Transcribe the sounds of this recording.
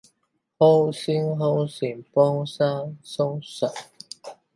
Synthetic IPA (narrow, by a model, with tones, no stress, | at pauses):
ho˦˥wsi˥ŋɦo˥wsi˨˩ŋpɔ˥ŋsa˦˥ŋso˥ŋsa˨˩